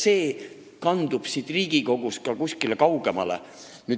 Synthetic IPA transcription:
se̞ː | kɑnd̪̥ub̥sit̪riːɡ̥iko̞ɡ̥uskɑkusʲkilekɑwɡ̥emɑ̰lḛ | nyː

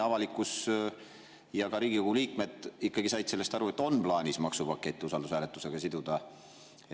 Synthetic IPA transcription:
ɑvɑlikːˑus | jɑkɑɾiːɡ̥ikoɡuliːkme̞d̪̥ikːɑɡisɑjd̪̥selːest̪ɑɾue̞t̪ːˑo̞nplɑːnʲismɑksupɑkːˑe̞t̪ʲːiusɑld̪usæːle̞t̪ːˑuse̞ɡ̥ɑsid̪ud̪̥ɑ

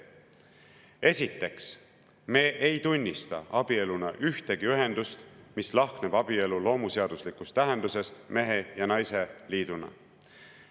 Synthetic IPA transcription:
e̞sʲit̪ːˑe̞ks | me̞ːʔejt̪unʲːist̪ɑɑb̥ie̞lunɑʔyht̪e̞ɡ̥iyɦe̞nd̪ust̪mislɑhkneb̥ɑb̥ie̞lulo̞ːmuse̞ɑd̪̥uslikust̪ːæɦe̞nd̪use̞st̪me̞ɦe̞jɑnɑjse̞liːd̪̥unɑ̰

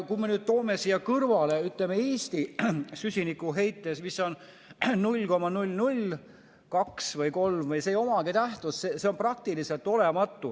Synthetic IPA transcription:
kujmenyːd̪̥̚t̪o̞ːmesijɑkɤrvɑle̞yt̪lemeeːst̪isysʲinikːˑuɦe̞jt̪ːˑe̞smisːo̞n | nulʲːko̞mɑnulʲːnulʲ | kɑksvɤjko̞lmvɤjsejo̞mɑkit̪æht̪usseseo̞nprɑk̚t̪ilise̞lt̪ːˑo̞lemɑt̪ːˑu

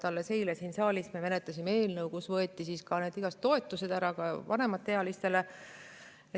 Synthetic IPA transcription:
t̪ɑlːese̞jlesinsɑːlʲismeme̞net̪lɑsimee̞ːlnɤwkusvɤet̪ːˑisiskɑne̞ːd̪̥iɡ̥ɑst̪ːo̞e̞t̪ːˑuse̞d̪æɾɑkɑvɑne̞mɑt̪ːeɑlist̪e̞le | e

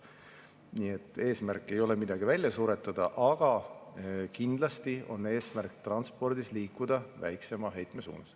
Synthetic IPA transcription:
niːet̪ːˑe̞ːsmærkːˑe̞jo̞lemid̪̥ɑɡ̥ivælʲjɑsuːɾet̪ːˑɑd̪̥ɑʔɑɡ̥ɑ | kind̪̥lɑst̪io̞nːe̞ːsmærkt̪rɑnspo̞rd̪isliːkːˑud̪̥ɑvæ̰jkse̞mɑɦe̞jt̪me̞sṵːnɑs

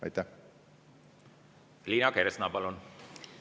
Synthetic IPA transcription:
ɑ̰jt̪ːæh | liːnɑkeɾesnɑpɑlun

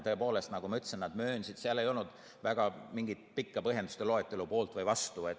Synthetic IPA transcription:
t̪ɤ̞epo̞ːle̞st̪nɑɡ̥umɑyt̪ːsennɑd̪̥mø̞ːnsid̪siɑle̞jo̞lnud̪̥ | væɡ̥ɑmiŋɡ̥it̪pikːɑpɤɦjend̪ust̪elo̞et̪ːˑe̞lupo̞ːlt̪ˑvɤjvɑst̪uet̪

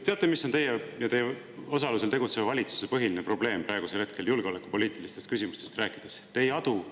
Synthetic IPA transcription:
t̪e̞ɑt̪ːˑemisont̪e̞jejɑt̪e̞jː | o̞sɑlus̬e̞lt̪e̞ɡut̪se̞vvɑlʲit̪su̥se̞pɤɦilinepro̞b̥le̞ːmpɾɑeɡuse̞lhe̞t̪̚ke̞ljulɡ̥eo̞le̞kːˑu̥po̞lʲiːt̪ilist̪est̪kysimust̪e̞st̪ræːkˑid̪̥est̪e̞jɑd̪̥u

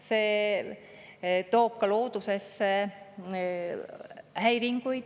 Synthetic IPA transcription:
se | t̪oːp̚kɑloːt̪uses | hæiriŋkui

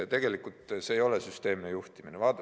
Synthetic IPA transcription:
t̪eɡ̥e̞likult̪seːjo̞lesyst̪e̞ːminejuht̪iminevɑːt̪

